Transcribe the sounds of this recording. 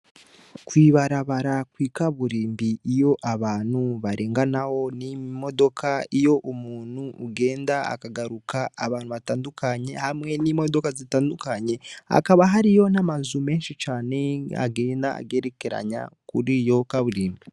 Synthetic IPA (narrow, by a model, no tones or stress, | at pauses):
kwiːβaɾaβaɾakwiːkaβuɾiːmbiːjo̞ʔaβaːnhuβaɾeːŋɡanaho̞nimo̞do̞kaijo̞ʔumuːn̥uːɡe̞ːndaa̰kaɡaɾukaːβaːn̥huβataːndukaɲe̞hamŋe̞nimo̞do̞kazitaːndukaɲe̞a̰kaβaɦaɾijo̞namazume̞ːnʃit͡ʃaːne̞a̰ɡe̞ːndaa̰ɡe̞ɾekeɾa̰ɲa̰kuɾijo̞kaβuɾiːmbi